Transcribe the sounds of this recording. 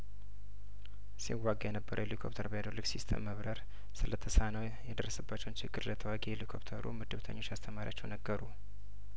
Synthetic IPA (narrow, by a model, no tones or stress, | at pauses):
siwaɡajɛnəbːəɾʔəwelikʰopt̪ʰəɾbəjad̪olːɨɡsist̪ʰə̰mːəβɾəɾ | sɨlət̪ʰːəsanəw | jɛd̪ərːəsəbːat͡ʃːɛwnt͡ʃʰɪɡːɨɾlət̪ʰəwaɡielikʰopt̪ʰəɾṵmɨd̪ɨβt̪ʰə̰ɲːo̞t͡ʃːast̪ʰəmaɾʲjat͡ʃːɛwnəɡːəɾu